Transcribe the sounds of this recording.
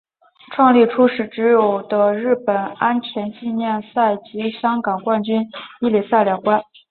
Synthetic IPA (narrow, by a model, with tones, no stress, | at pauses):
ʈ͡ʂʰwɑ˥˧ŋli˥˩ʈ͡ʂʰu˥ʂɻ̩˨˩ʈ͡ʂɻ̩˧˥jo˨˩ʊd̪ə˦ɻɻ̩˥˩pə˨˩na˥nt͡ɕʰɥɛ˧˥nt͡ɕi˥˧njɛ˥˧nsa˥˩ɪt͡ɕi˧˥ɕjɑ˥ŋkɑ˨˩ŋkwa˥˩nt͡ɕy˥ni˥˩li˨˩sa˥˩ɪljɑ˨˩ŋkwa˥n